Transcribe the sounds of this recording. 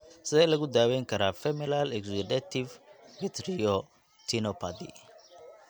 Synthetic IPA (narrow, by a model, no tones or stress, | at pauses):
sɪðɛlɐɣʊd̪aːwɛjŋkʰɐɾaːfɛmɛlalɛɡzud̪ɛt̪ivmɪt̪ʰɾiɔ | t̪ʰinɔpʰad̪ḭ